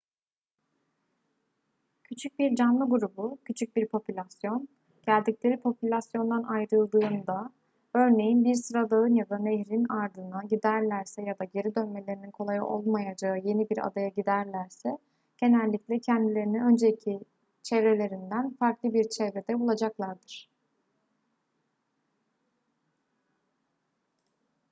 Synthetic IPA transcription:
cʰyt͡ʃʰyc̚biɾd͡ʒanlˠɯɡuɾubucʰyt͡ʃʰyc̚biɾpʰo̞pʰylʲasjo̞n | ɟ̥ælʲd̪iclʲe̞ɾipʰo̞pʰylʲasjo̞nd̪anʔajɾɯlˠd̪ɯːnd̪a | ø̞ɾne̞jinbiɾsɯɾad̪aɯnjad̪aneɦɾinaɾd̪ɯnaɟid̪æɾlʲæɾsɛjad̪aɟe̞ɾid̪ø̞nme̞lʲeɾininkʰo̞lˠajaʔo̞lˠmajad͡ʒaɯje̞nibiɾa̰d̪ajaɟid̪æɾlʲæɾsɛ | ɟ̥e̞nælʲːiclʲɛcʰɛnd̪ilʲe̞ɾiniø̞nd͡ʒeicʰi | t͡ʃʰɛvɾe̞lʲe̞ɾind̪ænfaɾklˠɯbiɾt͡ʃʰɛvɾe̞d̪ɛbulˠad͡ʒaklˠaɾd̪ɯɾ̥

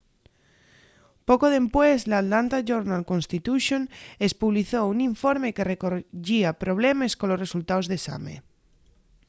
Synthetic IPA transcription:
pokoðe̞mpwezlat̪lant̪aʝoɾnalkonst̪it̪uʃjonespuβliθouniɱfo̞ɾme̞ke̞rekoʝiapɾo̞β̞le̞me̞skonlo̞sre̞sult̪aozðesa̰mḛ

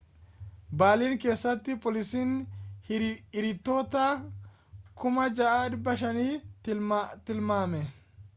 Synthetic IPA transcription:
baːliːŋke̞ːsːɐt̪ːɪpʼɔlɪsiːn | ɪɾɪt̪ːo̞ːt̪aː | kʊmɐd͡ʒɐʔaːɪɾbɐʃɐniː | t̪ɪlmaːmɛ

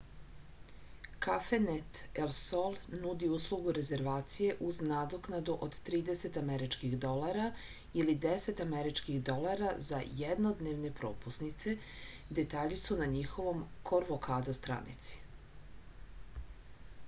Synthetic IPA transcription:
kafenet̪elsolˠnud̪iuːslˠuɡuɾe̞ze̞ɾʋaːt̪sije̞ʔuznad̪oknad̪uʔod̪t̪ɾiːd̪ese̞t̪ameɾit͡ʃkiɣd̪o̞lˠaɾa | ilid̪ese̞t̪ameɾit͡ʃkixd̪o̞laɾaza̰jed̪nod̪neʋne̞pɾo̞ːpusnit̪se̞ | d̪et̪aːʎisunaɲixo̞ʋo̞mkʰo̞ɾʋokʰaːd̪ost̪ɾa̰nḭt̪si̥

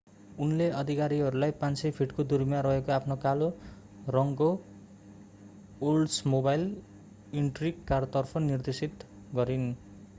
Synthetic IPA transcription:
unleʔʌd̪ʱikaɾiɦʌɾulajpãnsʌjpʰiʈkod̪urmjãɾʌɦekoapʰnokalo | rʌŋɡo | olsmobajl | iɳʈriɡkart̪ʌrpʰʌnird̪esit̪ | ɡʌɾin

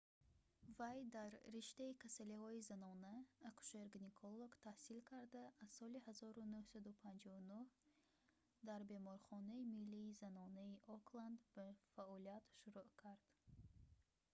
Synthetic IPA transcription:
vajd̪aɾːiʃt̪aikʰasalihɔizanɔnaːkʰu̥ʃeɾɡnikʰolˠːoɡt̪ʰahsilkʰaɾd̪aːzsɔlihazɔɾunuhsad̪upʰand͡ʒɔunuh | d̪aɾbe̞mɔɾχɔnaimilːiːzanɔnaiʔɔkland̪bafaɔliat̪ʃuɾuʔkʰaɾd̪̥

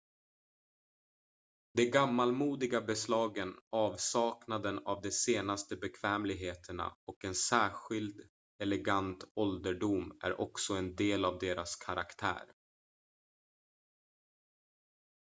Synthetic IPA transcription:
d̪̥ɛɡamːalmuːd̪ɪɡabɛslɑːɡənɑːvsɑːknad̪ənavd̪ɛseːnast̪əbɛkʰv̥ɛːmlɪɡɦeːt̪ʰəɳa̰ɔkɛnsæːɧɪld̪ | ɛlɛɡant̪ɔld̪əɖumæ̰ɾʔɔ̰ksɔɛnd̪eːlavd̪eːɾaskʰaɾʔa̰kt̪ʰæ̰ːɾ

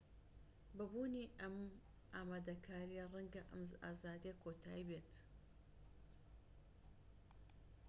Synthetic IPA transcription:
bɐbuːniʔɐm | ʔaːmaːd̪ɐkʰaːɾijarɐŋɡɐʔɐ̰mzaːzaːd̪ijɐkʰoːt̪ʰaːibeːt̪

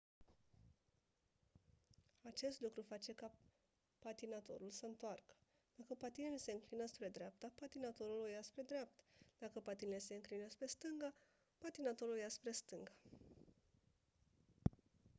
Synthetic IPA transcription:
at͡ʃe̞st̪lukɾufat͡ʃe̞ka | pat̪inat̪o̞̰ɾulsəɨnt̪oarkə̥ | d̪̥akəpat̪inilese̞ɨŋklinəspɾe̞d̪ɾeap̚t̪apat̪inat̪o̞ɾulojaspɾe̞d̪ɾeap̚t̪ḁd̪̥akəpat̪inelese̞ɨŋklinəspɾe̞st̪ɨŋɡa | pat̪inat̪o̞ɾulojaspɾe̞st̪ɨŋɡa

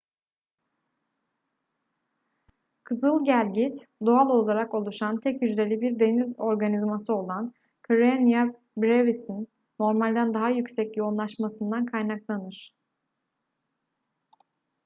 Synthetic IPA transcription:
kʰɯzɯlˠɟælʲɟit̪d̪oalˠo̞lˠaɾako̞lˠuʃant̪ʰɛcjyd͡ʒlʲe̞lʲibiɾd̪e̞nizo̞ɾɡanizmasɯo̞lˠan | kʰoɾenija | bɾevisinː | o̞ɾmalʲd̪ænd̪aɦajycsɛcjo̞unlˠaʃmasɯnd̪ankʰajnaklˠanɯɾ̝̥

